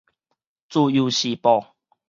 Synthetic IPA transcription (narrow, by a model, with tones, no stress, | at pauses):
t͡su˧ju˨ɕi˨pɔ˨˩